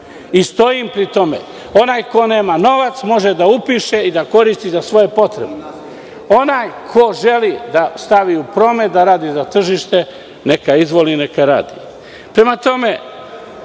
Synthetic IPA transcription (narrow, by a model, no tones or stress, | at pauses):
ist̪o̞jimpɾit̪o̞mḛ | o̞naːjko̞ne̞ːmano̞ʋat̪smo̞ʒed̪aupiʃe̞id̪ako̞ɾist̪izasʋo̞je̞po̞t̪ɾe̞bne | o̞najkʰo̞ʒe̞lid̪ast̪aʋiupɾo̞ːmet̪̚d̪aɾaːd̪izat̪r̩ʒiʃt̪e̞ | ne̞kaizʋoline̞kaɾa̰ːd̪ḭ | pɾe̞mat̪o̞me̞